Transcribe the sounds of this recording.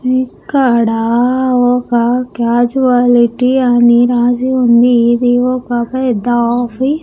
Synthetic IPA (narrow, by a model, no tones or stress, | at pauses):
ikaɽaɔkakaːd͡ʒuaːliʈianiɾaːd͡ʒiund̪id̪iʋɔːkapɐd̪afi